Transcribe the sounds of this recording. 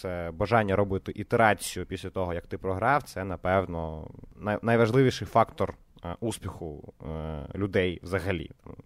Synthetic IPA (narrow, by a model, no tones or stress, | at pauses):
sɛbɐʒɑnʲːɐɾɔbɪt̪ɪʔit̪eɾɑt͡sʲijʊpʲisʲlʲɐt̪ɔɦɔjɐkt̪ɪpɾɔɦɾɑwt̪sɛnɐpɛwnɔnajnɐjʋɐʒlˠɪʋʲiʃɪjfɑkt̪ɔr | uspʲixʊ | lʲʊd̪ɛjʋzɐɦɐlʲḭt̪ɑm